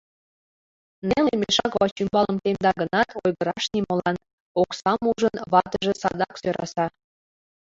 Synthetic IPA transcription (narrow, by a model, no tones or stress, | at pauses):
nelemeʃɑkβɑt͡ɕymbɑləmk̪emd̪ɑɡənɑt̪ʰojɣəɾɑʃnimolɑn | oksɑmuʒənβɑt̪əʒĕsɑ̰d̪ɑksøɾɑ̰sɑ